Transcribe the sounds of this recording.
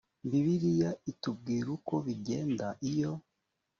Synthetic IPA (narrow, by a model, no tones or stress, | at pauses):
mbiβiɾijaitub̚ɡiːɾuko̞βiɟe̞ːndaʔijo̞